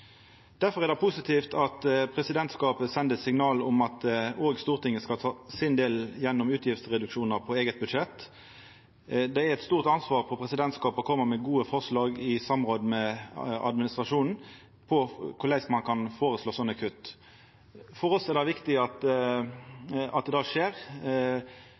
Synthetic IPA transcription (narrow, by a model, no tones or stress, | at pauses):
d̪̥æɾfɔɾɛʁɾd̪ɛpʰʊsɪt̪ʰiːft̪ʰɑt̪pʰʁɛsɪd̪ɛnt̪skɑːpəsɛnd̪əsɪŋnɑːlɔmɑt̪oːɡst̪uːʁt̪ʰɪŋːəskɑt̪ʰɑːsɪnd̪eːljɛnːʊmʉːt̪ʰjɪft̪sʁɛd̪ʉkʂuːnəʁpʰɔeːɡət̪̚bʉd̪ʂɛt̪ | d̪ɛæɾɛt̪st̪uːʁt̪ɑnsʋɑːʁpʰɔpʰʁɛsɪd̪ɛnt̪skɑːpɔkʰɔmːəmɛɡuːəfɔʁslɑːɡɪsɑmʁoːd̪mɛɑ̰d̪mɪnɪst̪ʁɑʂuːnn̩ | pʰɔkʰʊlæɪsmɑnkʰɑnfoːɾəsloːsɔnːɑkʰʉt̪ː | fɔɾɔsɛʁd̪ɛʋɪkt̪ɪɑt̪ | ɑ̰t̪̚d̪ɛd̪ɑːʂeːʁ